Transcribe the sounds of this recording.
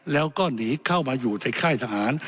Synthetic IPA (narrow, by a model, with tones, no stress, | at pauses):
lɛː˦˥wkɔː˥˩niː˨˦˥kʰa˥˩wmaː˧juː˨˩t̪a˧jkʰaː˥˩jt̪ʰaː˧ɦaː˩˦n